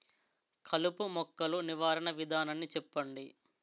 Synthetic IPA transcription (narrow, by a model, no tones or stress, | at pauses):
kʰɐlupumɔkːɐluniʋaːɾɐɳɐʋid̪ʱaːnɐnːit͡ʃɛpːɐɳɖi